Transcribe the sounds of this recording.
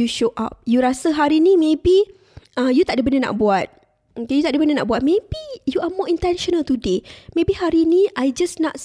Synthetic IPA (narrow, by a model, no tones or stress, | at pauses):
juʃoʔa̰p̚juɾasaɦaɾinĩmẽbi | ʔəjut̪aʔ̚dəbəndəna̰ʔbuat̪̚ | okejut̪aʔdəbəndəna̰ʔbuat̪̚mẽbijuamɔĩnt̪ɛnʃɔnəlt̪udemẽbihaɾinĩʔajd͡ʒasnat